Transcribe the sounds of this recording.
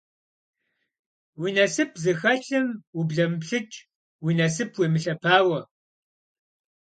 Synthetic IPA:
wiːnɐsɨpʰzɨxɐɬɨmwubɮɐmpɬɨt͡ʃʼ | wiːnɐsɨpʰweːmɨɬɐpʰaːwɐ

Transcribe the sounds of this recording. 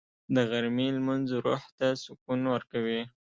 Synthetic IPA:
d̪əɣaɾmilmanzɾṵht̪asʊkunwəɾkawi

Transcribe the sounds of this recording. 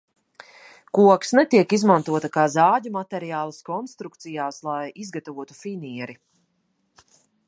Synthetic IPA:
kuɔksnɛt̪iɛkizmant̪uɔt̪akaːzaːɟumat̪ɛɾijaːlˠɐskɔnst̪ɾuk̚t̪sijaːslˠajizɡat̪avuɔt̪u̥finiɛɾi

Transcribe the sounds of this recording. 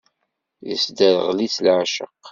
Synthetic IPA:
jəsd̪æɾʁlit͡slʕaʃə̰q

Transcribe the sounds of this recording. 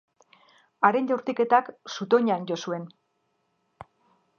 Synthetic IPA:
aɾenʎawɾt̪ike̞t̪aksut̪o̞ɲanɟo̞sue̞n

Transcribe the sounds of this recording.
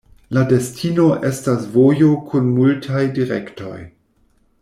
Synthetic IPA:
lade̞stʰino̞ʔe̞stasvo̞jokʰunmultʰajdiɾḛkto̞̰j

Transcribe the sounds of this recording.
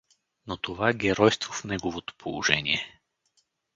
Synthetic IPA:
not̪ovaɡʲɛɾɔjst̪vofnɛɡovot̪o̥pʰolˠo̰ʒɛnḭɛ

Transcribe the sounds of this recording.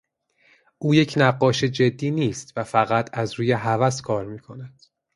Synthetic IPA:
ʔuːje̞cʰnæɢːɒːʃed͡ʒe̞d̪ːiːniːst̪væfæɣæt̪ʰæzɾuːjeɦævæskʰɒːɾmiːkʰo̞næd̪̥

